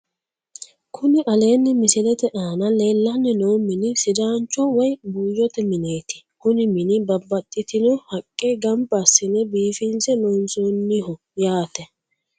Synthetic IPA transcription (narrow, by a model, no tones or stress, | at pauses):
kʰʊnɪʔɐleːnːɪmɪsɪlɛt̪ɛʔaːnɐleːlːɐnːɪnoːmɪnɪsɪd̪aːnt͡ʃːɔwɔjbuːjːɔt̪ɛmɪne̞ːt̪ɪ̥kʊnɪmɪnɪbɐbːɐt̪ʼːɪt̪ɪnɔhɐkʼːɛɡɐmbɐsːɪnɛbiːfɪnsɛnoːnsoːnːɪhɔ | jaːt̪ɛ